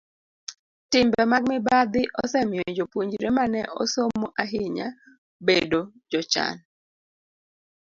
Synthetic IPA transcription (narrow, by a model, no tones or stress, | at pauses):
tɪmbɛmaɡ̚mɪbad̪ɪʔɔsɛmɪod͡ʒopwoɲd͡ʒiɾemanɛʔɔ̰somoʔaɦɪɲa | bedod͡ʒɔt͡ʃa̰n